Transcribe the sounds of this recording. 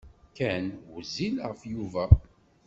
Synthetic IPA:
kænwzːilʁəfjuvæ

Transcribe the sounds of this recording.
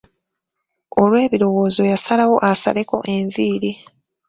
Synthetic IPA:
o̞lwe̞ːβiɾo̞woːzo̞jasalawo̞ʔasa̰leko̞̰ʔe̞ɱviːɾi

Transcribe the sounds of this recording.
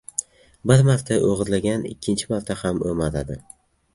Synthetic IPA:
bɪɾmaɾt̪ʰaʔoʁɨzlaɡʲanɪ̰kʲʰːɪnt͡ʃʰɪmaɾt̪ʰahamomat̪ad̪ɪ

